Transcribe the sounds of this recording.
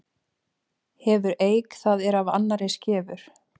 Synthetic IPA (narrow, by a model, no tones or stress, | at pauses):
hɛvʏɾeːjkθaðɛɾava̰nːaɾescɛːvʏɾ̥